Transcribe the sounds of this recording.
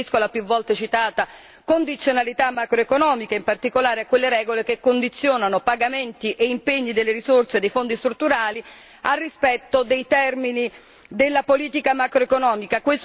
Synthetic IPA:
iskolapjuvːɔlt̪et͡ʃit̪aːt̪a | kond̪it̪sːjonalit̪amːakɾoekonɔːmikaimpart̪ikolaːɾeakːwelːeɾɛːɡolekekːond̪it̪sːjoːnanopaɡament̪iʔeimpeɲːid̪elːeɾisorsed̪ejfond̪ist̪ɾut̪ːuɾaːli | arːispɛt̪ːod̪ejt̪ɛrmini | d̪elːapoliːt̪ikamakɾoekonɔːmikakwes

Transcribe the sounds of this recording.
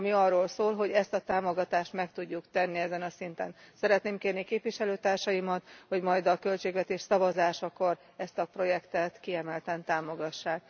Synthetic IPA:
miɒrːoːlsoːlɦo̞ɟɛst̪ɒt̪aːmo̞ɡɒt̪aːʃt̪mɛkt̪uɟːukt̪ɛnːiɛzɛnɒsint̪ɛ̰nsɛɾɛt̪neːmkeːrnikeːpʋiʃɛløːt̪aːrʃɒjimɒt̪ho̞ɟmɒjd̪ɒkø̞lt͡ʃeːɡvɛt̪eːʃsɒvɒzaːʃɒko̞r | ɛst̪ɒpro̞jɛkt̪ɛt̪kiɛmɛlt̪ɛnt̪aːmo̞ɡɒʃːaːk̚

